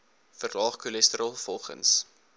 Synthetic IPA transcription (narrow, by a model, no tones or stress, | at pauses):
fərlɑːχkulɛstəɾɑlˠfɔlˠχə̰ns